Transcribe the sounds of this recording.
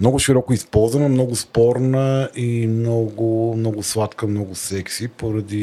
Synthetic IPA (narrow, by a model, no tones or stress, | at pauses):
mnɔɡʊʃiɾɔkʊispɔlˠzvɐnɐmnɔɡʊspɔɾnəimnɔɡʊmnɔɡʊslˠat̪kəmnɔɡʊsɛksipoɾɐd̪i